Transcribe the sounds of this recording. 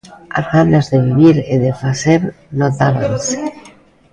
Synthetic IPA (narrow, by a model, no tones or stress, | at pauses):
a̰zɣanazðeβ̞iβ̞iɾeðefaseɾ | not̪aβanse̥